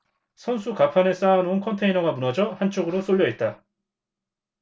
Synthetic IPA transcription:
sʰʌnsʰukapʰanes͈aːnounkʰʌntʰe̞inʌɡamunʌd͡ʑʌhant͡ɕ͈ʰoɡɯɾos͈oʎːʌet̚t͈a

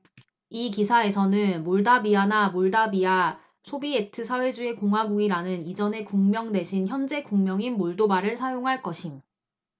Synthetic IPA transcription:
ikisʰae̞sʰʌnɯnmoɭdabianamoɭdabia | sʰobie̞tʰɯsʰawe̞d͡ʑue̞koŋɦwaɡuɡiɾanɯnid͡ʑʌne̞kuŋmjʌŋde̞ɕʰinçjʌnd͡ʑe̞kuŋmjʌŋinmoɭdobaɾɯɭsʰajoŋɦaɭk͈ʌɕʰim

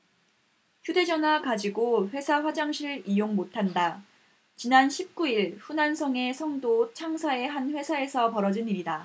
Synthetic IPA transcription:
çjude̞d͡ʑʌnakad͡ʑiɡoɸwe̞sʰaɸwad͡ʑaŋɕʰiɾɯɾijoŋmotʰanda | t͡ɕinanɕʰip̚k͈uiɭɸunansʰʌŋe̞sʰʌŋdot͡ɕʰaŋsʰae̞ɦanɸwe̞sʰae̞sʰʌpʌɾʌd͡ʑiniɾida

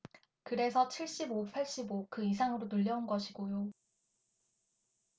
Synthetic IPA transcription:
kɯɾe̞sʰʌt͡ɕʰiɭɕ͈ibopʰaɭɕ͈ibokɯisʰaŋɯɾonuʎːʌunɡʌɕʰiɡojo

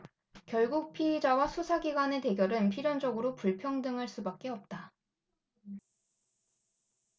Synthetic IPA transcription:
kjʌɭɡuk̚pʰied͡ʑawasʰusʰaɡiɡwane̞te̞ɡjʌɾɯnpʰiɾjʌnd͡ʑʌɡɯɾopuɭpʰjʌŋdɯŋɦaɭs͈ubak̚k͈e̞ʌp̚t͈a

